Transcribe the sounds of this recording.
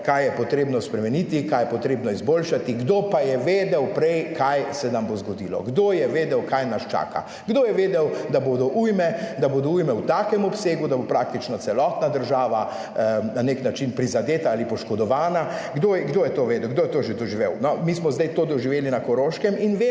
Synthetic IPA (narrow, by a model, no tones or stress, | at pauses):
kajjɛpɔt̪ɾeːbnɔspɾɛmɛnit̪ikajɛpɔt̪ɾeːbnɔizbolʃat̪iɡd̪opajɛʋeːd̪ɛwpɾɛjkʰajsɛnambozɡɔd̪ilɔ̰ɡd̪ojɛʋeːd̪ɛwkajnaʃt͡ʃa̰ːka̰ | ɡd̪oːjɛʋeːd̪ɛwd̪abod̪ɔʔujmɛd̪aboːd̪ɔujmɛwt̪aːkɛmɔpseːɡud̪abopɾak̚t̪it͡ʃnɔt̪sɛlɔːt̪nad̪əɾʒaːʋa | naneknat͡ʃinpɾizad̪eːt̪aaːlipɔʃkɔd̪ɔʋaːnaɡd̪oːjɛɡd̪oːjɛt̪oːʋeːd̪ɛwɡ̚d̪oːjɛt̪oʒed̪ɔʒiʋewnɔmiːsmɔzd̪ɛjt̪oːd̪ɔʒiʋeːlinakɔɾoːʃkɛminʋe